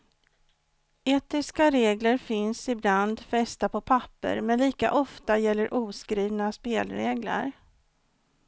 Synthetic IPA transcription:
eːt̪ɪskaɾeːɡləɾfɪnsɪbland̪fɛst̪apʰɔpʰapːə̰ɾmɛnliːka̰ʔɔft̪ajɛlːəɾʔuːskɾiːvnaspeːlɾeːɡlə̰ɾ

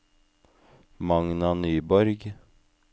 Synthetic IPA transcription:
mɑŋnɑnyːbɔɾɡ

